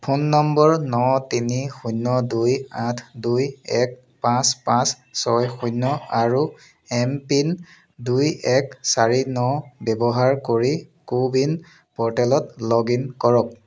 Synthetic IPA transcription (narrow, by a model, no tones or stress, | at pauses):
pʰunːɔmbɔɹnɔtinixunːɔdujatʰdujɛk̚ | pãspãs | sɔjxunːɔaɹu | ɛmpin | dujɛksaɹinɔbɛbɔɦaɹkoɹikubin | pɔɹtɛlɔtlɔɡinkɔɹɔk̚